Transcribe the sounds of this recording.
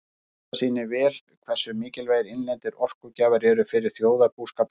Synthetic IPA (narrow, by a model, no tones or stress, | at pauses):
siːnɪvɛːl | kʰvɛr̥sʏmɪːcɪlveːjɾɪnlɛnt̪ɪɾɔr̥kʏcaːvaɾɛɾʏfɪɾɪɾ̥θjoːwðapuːskaːp